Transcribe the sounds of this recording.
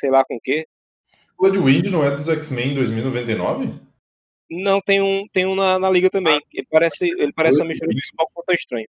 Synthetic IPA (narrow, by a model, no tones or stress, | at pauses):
sejlakõʊke | lɐd͡ʒɪwĩd͡ʒɪnɐ̃w̃ɛd̪ʊzɛksmẽẽd̪ojzmiuwinovẽnt̪ejnɔvɪ | nɐ̃w̃t̪ẽj̃ũt̪ẽj̃ũnɐnɐliɡɐt̪ɐ̃mbẽj̃elɪpaɾɛsɪelɪpaɾɛsɪũɐmiʃt̪uɾɐ̃d͡ʒisak̚t̪õt̪ɐ̃w̃iʃt̪ɾɐ̃ɲʊ